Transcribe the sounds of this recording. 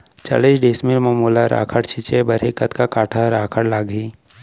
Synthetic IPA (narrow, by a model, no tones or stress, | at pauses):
t͡ʃə̰led͡ʒɖeːsmiɾmɐmuːlaɾʔa̰ːkʰəɽt͡ʃʰɪt͡ʃebɐɾekɐt̪kakaːʈʰaɾaːkʰəɽlaːɡi